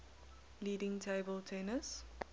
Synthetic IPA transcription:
liːɖɪ̃ŋtʰaɪbəltʰenəs

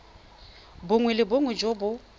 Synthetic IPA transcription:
bʊŋwɛlɪboŋwɛd͡ʒobʊ

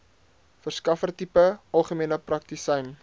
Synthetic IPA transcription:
fərskɐfərtipəʔɐlˠχəmiənəprɐk̚tisɛjn

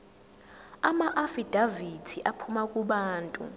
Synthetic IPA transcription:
amaʔafid̥ʱavitʰiʔapʰumakʼuɓaːntʼṵ

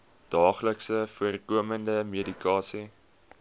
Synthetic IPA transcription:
d̥ɑːχləksəfuərkuəməndəmedikɑːsi

